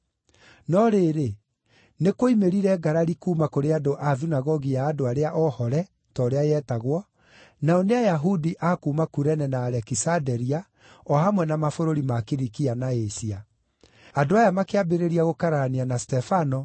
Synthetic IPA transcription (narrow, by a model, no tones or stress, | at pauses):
nɔɾeɾe | nekoimeɾiɾɛɡaɾaɾikuːmakoɾeadoʔaðinaɣɔɣijaːdoaɾeaʔɔhɔɾɛ | tɔɾeajɛtaɣwɔ | naɔneajaɦudiʔakuːmakuɾɛnɛnaːɾɛkisadɛɾia | ɔhamwɛnamafoɾoɾimakiɾikianaesia | adoajamakeabeɾeɾiaɣokaɾaanianastɛfanɔ